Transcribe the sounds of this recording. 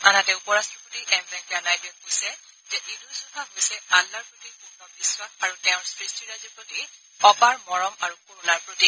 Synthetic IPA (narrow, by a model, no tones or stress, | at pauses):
anatɛupɔɹastɹɔpotiʔɛmbɛkanajtɛkojsɛzɛʔidusɔtaɦojsɛalːaɹpɹotikunɔbiswaxaɹutɛʊ̃ɹsɹistiɹazipoti | ɔbaɹmɔɹɔmaɹukuɹulaɹpɹoti